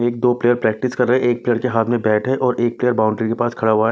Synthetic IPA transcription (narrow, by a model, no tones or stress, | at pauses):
eːk̚d̪oːpleːjəɾpɾɛːk̚ʈɪskɐɾːɐɦeʔeːk̚pleːjəɾkeɦaːt̪ʰmẽbɛːʈʰɦɛʔɔːɾʔeːk̚pleːjəɾbaːʊ̃ɳɖɾikepaːskʰɐɽaɦoa